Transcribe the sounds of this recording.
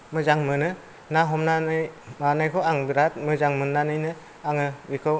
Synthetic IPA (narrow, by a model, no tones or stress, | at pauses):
mɯzaŋmɯnɯ | naɦɔmnanɯjmanajkʰɔaŋbɯɾat̚mɯzaŋmɯnːanɯjnɯ | aŋɯbikʰɯw